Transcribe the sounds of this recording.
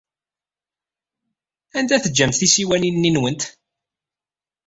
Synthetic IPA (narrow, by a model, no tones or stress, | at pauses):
ænd̪æθəd͡ʒːæmt̪θisiwæninːinwənt̪